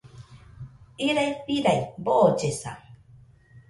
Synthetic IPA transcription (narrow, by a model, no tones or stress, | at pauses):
iɾajpiɾajboʔot͡ʃesa̰